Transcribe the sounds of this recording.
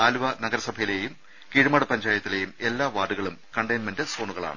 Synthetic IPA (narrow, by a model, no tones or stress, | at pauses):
aːluʋɐnɐɡɐɾɐsɐbʱɐjile̞jum | kiːɻumaːɽupɐnd͡ʑaːjɐt̪ːile̞jume̞lːaːʋaːɖuɣɐɭumkɐɳɖɐjnmendeso̞ːɳuɣɐɭa̰ːɳɨ